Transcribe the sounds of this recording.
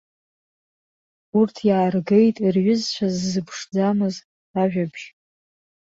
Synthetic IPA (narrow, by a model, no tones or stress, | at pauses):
urtʰjaːrɡe̞jtʼirɥʷʊzt͡ʃʷʰazːɨpʰʂd͡zamɨz | aʒᶣabʒ